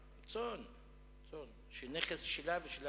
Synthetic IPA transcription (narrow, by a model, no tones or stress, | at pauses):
t͡son | t͡son | ʃeneχesʃelaveʃela